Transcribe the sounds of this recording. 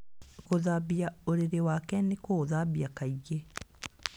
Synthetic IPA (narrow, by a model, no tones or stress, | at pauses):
koðaβjaoɾeɾewakɛnekoðabjakaiɣe